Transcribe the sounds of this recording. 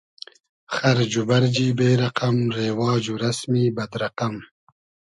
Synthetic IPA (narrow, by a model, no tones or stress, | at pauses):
xaɾd͡ʒubaɾd͡ʒiːbeːɾaqamɾeːwɑːd͡ʒuɾasmibɐd̪ɾaqam